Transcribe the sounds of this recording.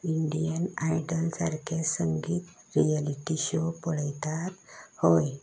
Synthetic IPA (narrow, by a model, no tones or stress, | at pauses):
iɳɖijənajɖəlsaɾkʰesəŋɡiːt̪ | ɾijaliʈiɕopɔɽajt̪at̪hoj